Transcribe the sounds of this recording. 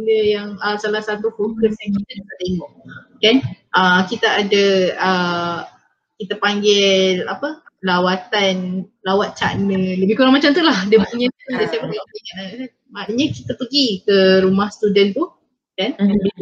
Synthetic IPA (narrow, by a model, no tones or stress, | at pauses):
ndəjaŋəsalahsat̪ufokəsjaŋkit̪ədat̪aʔt̪eŋɔʔkanʔəkit̪əadəə | kit̪əpaŋɡɪla̰pəlawat̪anlawat̪̚t͡ʃaʔnələbɪhkuɾaŋmat͡ʃamt̪ulahdiəbəpuɲə̃dəsajapəɡioiŋanakan | manəɲakit̪əpəɡikəɾumahst̪udənt̪u | kannbi